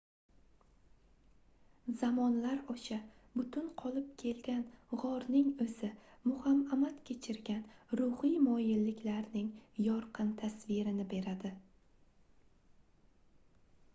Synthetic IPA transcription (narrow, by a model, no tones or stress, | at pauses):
zamɒnlaɾɒʃabʊt̪ʰʊnqʰɒlˠɪp̚kʲʰe̞lɡʲanʁɒɾnɪŋɵzɪmʊhamamat̪kʲʰe̞t͡ʃʰɪɾɡʲanɾʊhijmɒjɪlːɪkʲlaɾnɪŋjɒɾqʰɨnt̪ʰasvɪɾɪnɪbe̞ɾad̪ɪ